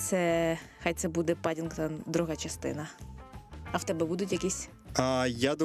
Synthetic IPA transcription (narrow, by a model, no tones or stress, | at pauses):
t̪sɛxajt̪sɛbud̪ɛpɑdʲinkt̪ɑd̪ɾuɦɑt͡ʃɐst̪ɪ̰nɐ | ɐwt̪ɛbɛbud̪ʊtʲjɐkʲisʲ | ajad̪ɔ